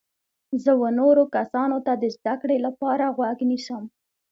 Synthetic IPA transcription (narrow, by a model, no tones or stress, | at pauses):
zəwənoɾokasɑnot̪ad̪əzd̪akɽelapɑɾaɣwaɡnisəm